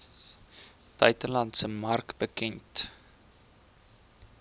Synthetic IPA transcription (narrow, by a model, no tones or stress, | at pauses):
b̥œɥtəlɐntsəmɐrkbəkɛnt